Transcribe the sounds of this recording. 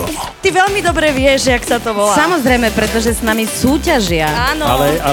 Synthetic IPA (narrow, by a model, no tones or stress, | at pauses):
t̪iʋɛlmid̪ɔbɾɛʋɪɛʒʒɛaksat̪ɔʋɔlaːsamɔzɾɛjmɛpɾɛt̪ɔʒɛsnamisuːcaʒɪaanɔalɛa